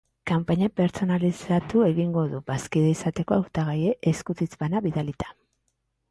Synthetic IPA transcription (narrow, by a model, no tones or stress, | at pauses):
kampaɲape̞ɾt͡so̞nalisat̪ue̞ɣiŋɡo̞ðubaskiðeisat̪e̞ko̞awt̪aɣ̞aje̞ʔːskut͡s̪it͡sbanaβiðalit̪ḁ